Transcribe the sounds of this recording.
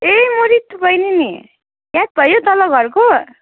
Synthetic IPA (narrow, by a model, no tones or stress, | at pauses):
ejmoɾit̪ːupʌjnini | jat̪̚bʱʌjot̪ʌlʌɡʱʌrko